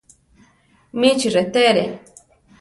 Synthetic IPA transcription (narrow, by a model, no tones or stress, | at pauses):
mit͡ʃʰiɾet̪eɾe